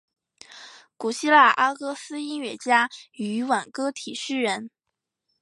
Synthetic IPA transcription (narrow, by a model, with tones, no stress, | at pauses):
ku˨˩ɕi˥la˥˩ʔa˥kɤ˥sɹ̩˥i˥nɥɛ˥˩t͡ɕja˥y˧˥wa˨˩nkɤ˥t̪ʰi˨˩ʂɻ̩˥˩ɻə˧˥n